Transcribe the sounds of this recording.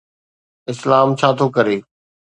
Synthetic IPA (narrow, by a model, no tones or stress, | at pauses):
ɪslaːmt͡ɕʰaːt̪ʰokəɾeː